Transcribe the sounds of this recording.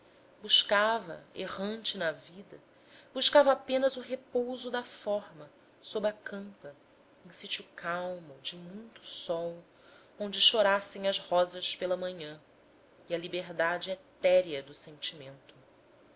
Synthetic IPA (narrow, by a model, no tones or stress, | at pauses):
buʃkavɐ̰ḛʁɐ̃nt͡ʃɪnɐvid̪ɐ | buʃkavɐːpẽnɐzʊɦepowzʊd̪ɐfɔɾmɐ | sobɾɐkɐ̃mpɐ | ẽj̃sit͡ʃukʰawmʊd͡ʒɪmũj̃t̪ʊ̥sɔw | õñd͡ʒɪʃoɾasẽj̃ɐzhɔzɐspelɐmɐ̃ɲɐ̃ | iɐlibeɦd̪ad͡ʒɪɛt̪ɛɾiɐd̪ʊsẽnt͡ʃimẽnt̪ʊ̥